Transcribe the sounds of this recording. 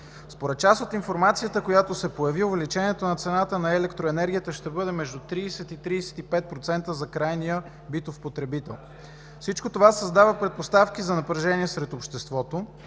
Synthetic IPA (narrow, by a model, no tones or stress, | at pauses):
spoɾɛt̪̚t͡ʃasot̪infoɾmat̪sijət̪əkojat̪osɛpojɐviovɛlit͡ʃɛniɛt̪onɐt̪sɛnat̪ənɐɛlɛkt̪ɾoɛnɛɾɡʲijət̪əʃt̪ɛbɤd̪ɛmɛʒd̪ut̪ɾiːsɛt̪it̪ɾiːsɛ̥t̪ipɛt̪̚pɾot̪sɛnt̪əzɐkɾajnijə | bit̪ofpot̪ɾɛbit̪ɛlˠ | fsit͡ʃkot̪ovasɐzd̪avəpɾɛt̪̚post̪afk̟izɐnɐpɾɐʒɛniɛsɾɛt̪opʃt̪ɛst̪vɔt̪o